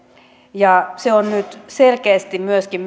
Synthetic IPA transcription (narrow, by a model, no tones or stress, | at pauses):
jɑseonnyt̪selkeːst̪immyøskim